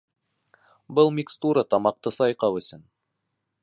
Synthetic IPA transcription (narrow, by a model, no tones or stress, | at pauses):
bɤlˠmʲikst̪uɾət̪ɑmɑq̚t̪ɤsɑjqɑwɵ̆sɵn